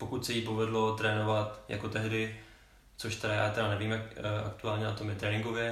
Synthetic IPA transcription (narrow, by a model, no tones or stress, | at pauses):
po̞kut̪sɛjiːpovɛdlo̞t̪ɾɛːnovat̪ja̰ko̞t̪ɛɦdɪ | t͡so̞ʃt̪ɛɾaja̰ːt̪ɛɾanɛviːmʔa̰kt̪uaːlɲɛnat̪omjɛt̪ɾɛːnɪŋɡo̞vjɛ